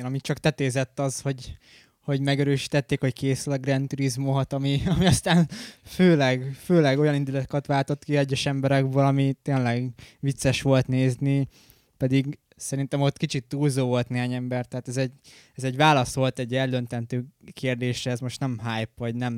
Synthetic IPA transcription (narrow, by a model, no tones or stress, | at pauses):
nɒmit͡ʃɒkt̪ɛt̪eːzɛt̪ːɒzho̞ɟ | ho̞ɟmɛɡɛɾøːʃi̥t̪ɛt̪ːeːkho̞ckeːsylɛɡrɛnt̪uɾizmoɦt̪ɒmiɒmiɒst̪aːnføːlɛɡføːlɛɡo̞jɒnind̪ulɒt̪o̥kɑt̪ʋaːlt̪o̞t̪kiɛɟːɛʃɛmbɛɾɛɡbøːlɒmit̪eːnlɛɡʋit̪sɛʃʋo̞lt̪neːzni | pɛd̪iɡ | sɛɾint̪ɛmot̪kit͡ʃit̪ːuːlzoːvo̞lt̪neːɦaːɲɛmbɛrt̪ɛɦaːt̪ɛzɛɟ | ɛzɛɟvaːlɒso̞lt̪ɛɟːɛld̪ønt̪ɛnt̪øːkeːrd̪eːʃrɛːzmo̞ʃt̪nɛmɦaːjpʋɒɟnɛm